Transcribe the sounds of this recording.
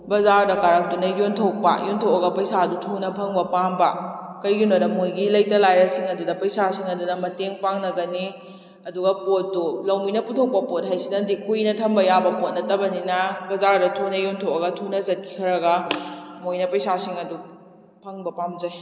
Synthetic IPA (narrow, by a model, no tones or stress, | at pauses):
bɐzaɾdɐkaɾak̚tunɐjontʰowk̚pɐ̰jontʰowʔɐɡɐpɐjsadutʰunɐpʰɐŋbɐpaŋbɐkɐjɡunɐdɐmojɡilɐjtɐlajɾɐsiŋɐdudɐpɐjsasiŋɐdunɐmɐteŋpaŋnɐɡɐni | ɐduɡɐpotːulɐwminɐputʰok̚pɐpot̚ɦajsidɐndikujnɐtʰɐmbɐjabɐpot̚nɐtɐbɐninɐbɐzaɾdɐtʰunɐjontʰowʔɐɡɐtʰunɐzɐt̚kʰi̥kʰɐɾɐɡɐmojnɐpɐjsasiŋɐdu | pʰɐŋbɐpamd͡ʒɐj